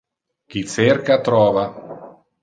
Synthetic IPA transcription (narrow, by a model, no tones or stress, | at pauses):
kit͡seɾkat̪ɾɔːva